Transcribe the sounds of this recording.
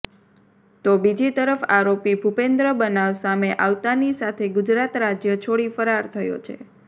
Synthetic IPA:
t̪obid͡ʒit̪əɾəfaɾopibʱupend̪ɾəbənaʋsameʔaʋt̪anisat̪ʰeɡʊd͡ʒɾat̪ɾad͡ʒjət͡ʃʰoɽifəɾaɾt̪ʰəjo̰t͡ʃʰḛ

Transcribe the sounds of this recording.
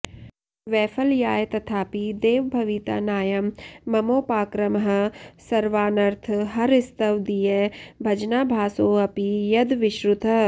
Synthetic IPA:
ʋɛːfʰɐljaːjt̪ɐt̪ʰaːpid̪eːʋbʱɐʋit̪a̰ːnaːjɐmːɐmoːpaːkɾɐmɦɐ̆sɐɾʋaːnɐɾt̪ʰɦɐɾɪst̪ɐʋd̪ijebʱɐd͡ʒnaːbʱaːsoːɐpijɐd̪ʋɪʃɾʊt̪ʰɐ

